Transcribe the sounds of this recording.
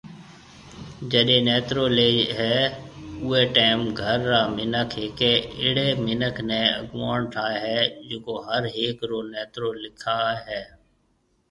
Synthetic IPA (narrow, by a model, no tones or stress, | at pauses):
d͡ʒəɗeːnɛːt̪ɾoːleːɦɛːʊːeːʈeːmɡʱəɾːaːmɪnəkʰɦeːkeːɪɽeːmɪnəkʰnẽːə̰ɡʋaːɳʈʰaːɦɛːd͡ʒʊkoːɦəɾɦeːkɾoːnɛːt̪ɾoːlɪkʰaːɦɛː